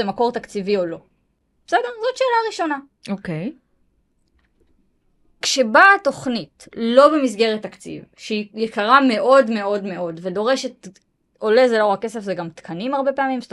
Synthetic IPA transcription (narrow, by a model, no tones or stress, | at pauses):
emako̞ʁt̪akt͡sivio̞lo̞̥ | sedeʁzo̞tʃe̞ːlaʁiʃo̞na | okej | kʃe̞baːto̞χnitlo̞be̞mis̬ɡe̞ʁetːakt͡sḭvʃeijekaʁame̞ʔo̞dme̞o̞dme̞o̞dvedo̞ʁe̞ʃet | o̞lezelo̞akːe̞se̞fzeɡamt̪kʰanimaʁbe̞pe̞amimst